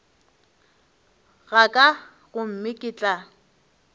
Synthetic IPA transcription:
ɣakʼa | ɣʊm̩mɪkʼɪt͡ɬʼa

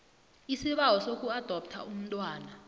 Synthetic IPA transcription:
isiɓawɔsok̬ʼuad̥ʱɔp̚tʰa̰um̩tʼwaːna

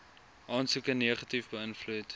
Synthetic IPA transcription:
ʔɑːnsukəneːəχɐtifbəənflut

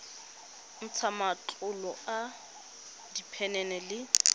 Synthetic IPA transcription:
n̩t͡sʰamat͡ɬʼʊlɔʔa | dipʰɛnɛnɛlɪ

